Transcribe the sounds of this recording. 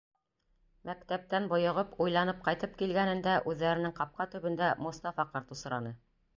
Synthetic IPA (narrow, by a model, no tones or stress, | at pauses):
mækt̪æp̚t̪ænbŏjŏʁɤpujlˠɑnɤp̚qɑjt̪ɤp̚kilɡænɘ̆nd̪æʔʉðːæɾɘ̆nɘŋqɑp̚qɑt̪ɵ̆βɘ̆nd̪æmust̪ɑfɑqɑɾt̪usɤ̆ɾɑnɤ